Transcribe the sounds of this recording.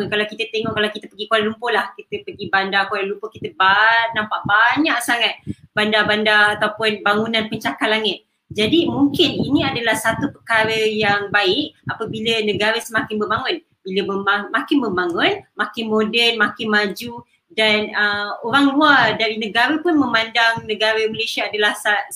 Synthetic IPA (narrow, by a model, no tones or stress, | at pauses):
kalawkit̪ət̪eŋɔʔkalawkit̪əpəɡikualalumpolahkit̪əpəɡibandakualalumpəhkit̪əbanãmpaʔbaɲaʔsaŋat̪̚b̥andabandaat̪awpʊnbaŋunãnpəɲt͡ʃakalaŋɪt̪̚ | d͡ʒadimuŋkɪninĩadalahsat̪upəkaɾəjaŋbaɪʔ̚apəbilənə̃ɡaɾəsəmakɪnbəmbaŋʊn | biləbəbamakɪnbəmbaŋʊnmakɪnmodɛnmakɪnmad͡ʒu | danəoɾaŋluadaɾinə̃ɡaɾəpʊnmə̃mandaŋnə̃ɡaɾəməlesiaːdalahsa